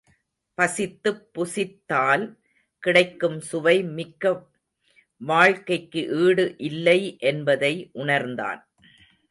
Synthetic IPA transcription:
pɐsɪt̪ːɯpːʊsɪt̪ːaːl | kɪɽɐɪkːɯmsʊʋɐɪmɪkːɐ | ʋaːɻkɐɪkːɯʔiːɽɯʔɪlːɐɪʔɛnbɐðɐɪʔʊɳɐɾnd̪a̰ːn

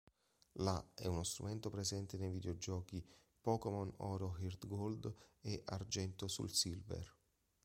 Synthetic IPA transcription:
laɛunost̪ɾṵmɛnt̪opɾezɛnt̪enejvid̪eod͡ʒɔːki | pɔkemɔnɔːɾoɦird̪ɡold̪eʔard͡ʒɛnt̪osṵlsilvḛr

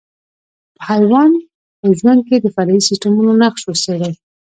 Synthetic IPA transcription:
pəhajwɑn | pəʒwand̪̚ked̪əfaɾɑisɪstamunonaqʃosed̪a

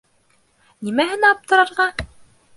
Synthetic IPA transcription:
nimæɦɘ̆næɑp̚t̪ɤ̆ɾɑɾʁɑ

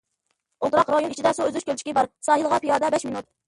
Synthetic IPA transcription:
olˠt̪ɨɾɑqɾɑjonit͡ʃʰid̪ɛsuøzyʃkʲʰølt͡ʃʰi̥kʲibɑɾsɑːhilˠəʁɑpʰijɑːd̪ɛbɛʃminut̪̚

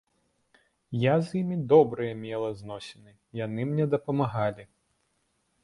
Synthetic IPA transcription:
jazʲjimʲid̪ɔbɾɨjɐmʲɛlˠɐznɔsʲɛnɨ | jan̪ɨmnʲɛd̪ɐpɐmaɣalʲi

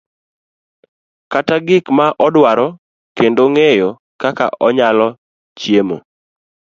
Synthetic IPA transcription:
kataɡɪkmaʔɔdwaɾɔ | kendoŋejo | kaka̰ʔɔɲalɔ | t͡ʃjemo̰

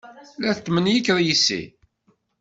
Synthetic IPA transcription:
læθət̪ːmənjəkɾjisːḭ

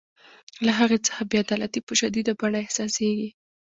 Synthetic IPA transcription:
laɦaɣet͡sə̥xabiad̪ɑlat̪ipəʃad̪id̪abaɳaɪhsɑseɡi

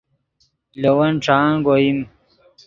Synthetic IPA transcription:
lowɐnʈ͡ʂaːnɡoim

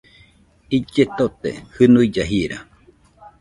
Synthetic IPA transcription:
id͡ʒet̪ot̪ḛhɨnuid͡ʒaɦiɾa̰

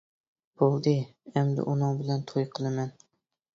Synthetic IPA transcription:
b̥olˠd̪ɨɛmd̪ɪ̰ʔunɨŋbɪlɛnt̪ʰojqʰəlˠɨmɛn

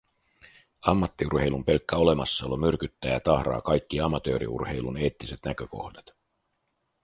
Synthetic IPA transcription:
ɑmːɑt̪ːiurhe̞jlumpe̞lkːæo̞le̞mɑsːɑolomyrkyt̪ːæːjɑt̪ɑhɾɑ̰ːkɑjkːiɑmɑt̪øːɾḭṵrhe̞jlune̞ːt̪ːise̞t̪nækø̞ko̞̰hdɑt̪

